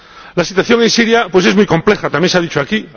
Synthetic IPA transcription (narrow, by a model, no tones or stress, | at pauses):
lasit̪waθjo̞ŋẽ̞nsiɾjapwese̞zmujkõ̞mple̞xat̪amjenseaðit͡ʃoaki